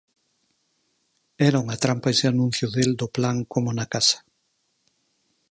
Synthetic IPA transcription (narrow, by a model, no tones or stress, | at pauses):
ɛɾauŋat̪ɾampaeseanũn̟θjʊðeld̪ʊplaŋkomʊnakasɐ̥